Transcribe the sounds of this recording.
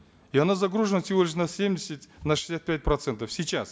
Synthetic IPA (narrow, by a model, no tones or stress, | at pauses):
iɐnazɐɡɾuʐɨnəsʲɪvo̞lʲɪʂ̬nɐsʲemdʲɪsʲɪt̪ʲnɐʂɨ̥sʲat̪̚pʲæt̚ʲpɾɐt̪sɛnt̪əfsʲit͡ɕas